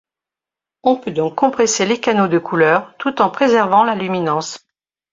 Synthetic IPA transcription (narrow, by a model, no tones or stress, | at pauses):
ɔ̃pød̪ɔ̃kːɔ̃pχeselekanod̪əkʰulœːʁt̪ut̪ɑ̃pχezɛʁvɑ̃lalyminɑ̃s